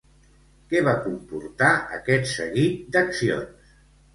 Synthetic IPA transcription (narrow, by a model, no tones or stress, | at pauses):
kɛβakumpuɾt̪aʔə̰kɛt̪sə̰ɣit̪̚d̪əksio̰ns